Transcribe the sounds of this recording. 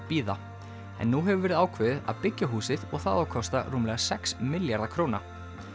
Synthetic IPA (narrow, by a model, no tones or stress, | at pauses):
piːða | ɛ̰nːuɦɛvʏɾvɛːɾɪðaːwkʰvɪːðɪða̰ðpɪcːaɦuːsɪðɔɣθaðawkʰɔst̪a̰ruːmlɛːɣasɛksmɪljaɾðakʰɾoːwna̰